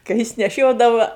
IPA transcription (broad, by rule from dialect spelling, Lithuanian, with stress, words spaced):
kɐ ˈjɪs nʲɛˈʃʲoːdɐʋɐ